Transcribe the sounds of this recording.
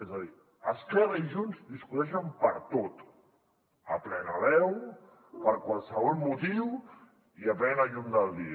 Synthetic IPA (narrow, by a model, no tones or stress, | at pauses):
ezəði | əskɛraiʒunzd̪iskut̪ɛʃ̬əmpəɾt̪ot̪ | əplɛnəβɛw | pəɾkwalˠsəβɔlˠmut̪iw | iapɾɛnaʎund̪əlˠd̪i